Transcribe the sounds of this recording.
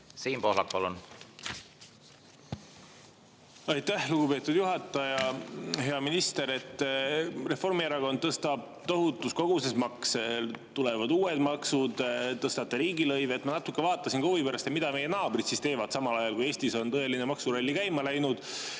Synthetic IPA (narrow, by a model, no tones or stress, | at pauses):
siːnpo̞hlɑk̚pɑlun | ɑjt̪ːæhluɡ̥upe̞ːt̪ːˑud̪̥juɦɑt̪ːˑɑjɑɦe̞ɑminist̪e̞ɾe̞t̪ˑː | re̞fo̞rmieɾɑko̞nd̪̥̚ɤst̪ɑb̥̚ | t̪o̞ɦut̪ːˑusko̞ɡ̥use̞smɑkselt̪ule̞vɑd̪uːe̞d̪mɑksud̪̥t̪ɤst̪ɑt̪ːˑeɾiːɡilɤ̞jveːt̪mɑnɑt̪ːukˑːe̞vɑːt̪ːˑɑsinkovipeɾɑst̪emid̪̥ɑme̞je̞nɑːb̥rit̪sist̪e̞ːvɑd̪̥sɑmɑlɑjɑlkuje̞ːst̪iso̞nt̪ɤe̞linemɑksuɾolʲːikæjmɑlæjnud̪̥